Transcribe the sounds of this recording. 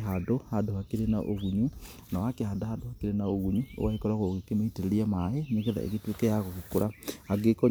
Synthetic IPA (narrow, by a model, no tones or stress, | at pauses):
ɦadohadohakeɾenaʔo̰ɣuɲu | nawakehadahadohakeɾenaoɣuɲuo̰waekɔɾaɣoɣekemaiteɾeɾiamaeneɣeða̰ḛɣetwekɛjaɣoɣekoɾaaɡekɔ